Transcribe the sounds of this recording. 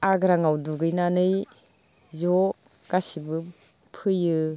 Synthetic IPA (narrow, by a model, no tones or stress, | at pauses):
aɡɾaŋawduɡɯjnanɯj | zɔ | ɡ̥asibɯ | pʰɯjɯ